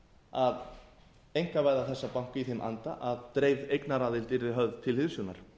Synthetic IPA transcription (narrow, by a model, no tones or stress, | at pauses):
að | ejŋ̥kavaːjðaθɛsːapawŋ̥kʏiθemʔa̰nt̪a̰ʔaðt̪ɾeːjvðejknaɾaːðɪlt̪ɪɾɪɦœððt̪ʰɪlhɪðsjuna̰ɾ̥